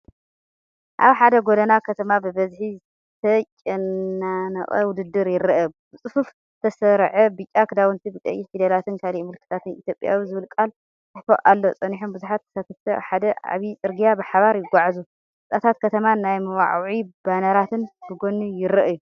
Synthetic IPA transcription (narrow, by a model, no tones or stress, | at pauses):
ʔaβħad̪ɐɡod̪ɐnakʰɐt̪ʰɐmabɨbɐzħi | t̪ʰɐt͡ʃʼɪnːanɐ̰χʼɐ̰wʊd̪ɨd̪ːɨɾjɪɾɐʔɐbɨt͡sʼɨfuf | ɨt̪ʰɐsɐɾʕɐbɨt͡ʃʼakʰɨd̪awɨnt̪ʰibɨkʼɐ̰jːiħid̪ɐlat̪ɨnkʰalimɨlkʰɨt̪ʰat̪ɨnʔit̪jo̞pʼja̰wizɨβɨlkʼal | t̪ʰɨħfoʔʔalːo̞t͡sʼɐniħunbuzuħat̪̚kʰɐ̥sat̪ʰɐft̪ʰɐa̰ħad̪ɐʔa̰βit͡sʼɨɾɡijabɨħaβaɾjɪɡʷaʕzu | ɨt͡sʼat̪ʰat̪̚kʰɐt̪ʰɐmanajmɐwa̰ʕʕibanɐɾat̪ʰɨnbɨɡonːujɪɾɐʔju